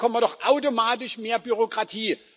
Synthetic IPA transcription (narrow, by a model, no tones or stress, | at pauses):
kʰɔmədɔχʔaʊtomaːt̬ɪʃmeːɐbyʁokʁ̥atʰiː